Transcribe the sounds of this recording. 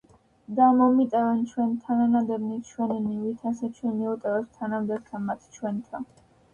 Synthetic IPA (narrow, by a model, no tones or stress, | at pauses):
d̪amɔmit̪ʼɛvɛnt͡ʃʰwɛnt̪ʰananad̪ɛɾnit͡ʃʰwɛninivit̪ʰasɛt͡ʃʰwɛniut̪ʼɛvɛst̪ʰanamd̪ɛbt̪ʰanmat̪ʰt͡ʃʰwɛnt̪ʰan